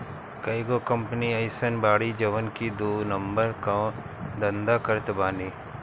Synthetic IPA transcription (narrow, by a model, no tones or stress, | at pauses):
kaɪɡoːkɐmpəniɐɪsənbaːɽid͡ʒɐʋənkid̪oːnəmbəɾka | d̪ɐ̃nd̪akəɾt̪baːniː